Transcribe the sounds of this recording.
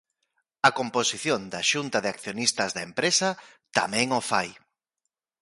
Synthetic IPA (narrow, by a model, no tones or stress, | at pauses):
ɐkomposiθjond̪ɐʃunt̪ɐðɪakθjonist̪ɐzðɐempɾesɐ | t̪a̰mɛ̃ŋofaj